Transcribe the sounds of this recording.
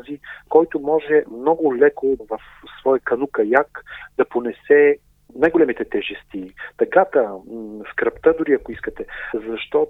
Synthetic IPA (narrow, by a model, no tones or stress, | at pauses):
zikɔjt̪ʊmɔʒɛmnɔɡʊlɛkovɐf | svɔjəkɐnukɐjakd̪̥ɐponɛsɛ | najɡolɛmit̪ɛt̪ɛʒɛst̪it̪ɐkat̪əskɾɐpt̪əd̪ʊɾiɐkoiskət̪ɛzɐʃt̪ɔ